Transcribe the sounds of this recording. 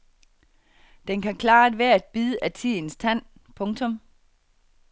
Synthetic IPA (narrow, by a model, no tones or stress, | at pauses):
d̥enkʰækʰlɑ̈ːæd̥ʋæɐ̰æd̥̚b̥iːðˠəʔæt͡sʰin̩st͡sʰæn̰pʰɔ̽ŋt͡sʰɔ̽m